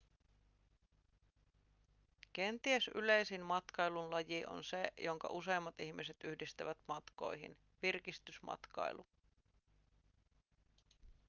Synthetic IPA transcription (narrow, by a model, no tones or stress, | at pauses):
k̟e̞nt̪iesy̰le̞jsinmɑt̪kɑjlunlɑjiʔo̞̰nsejo̞ŋkɑ̰ʔuse̞ːmːɑt̪içmise̞t̪yhdist̪æʋæt̪mɑt̪ko̞̰jɦḭn | ʋirkist̪ysmɑ̰t̪kɑ̰jlu